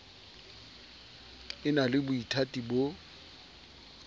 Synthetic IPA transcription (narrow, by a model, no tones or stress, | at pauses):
ɪnalɪbʊitʰatʼibo